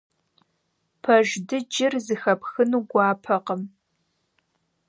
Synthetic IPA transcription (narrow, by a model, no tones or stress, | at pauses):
pʰɐʒdɨd͡ʒɪrzɨxɐpʰxɨnuɡʷɑːpʰɐqəm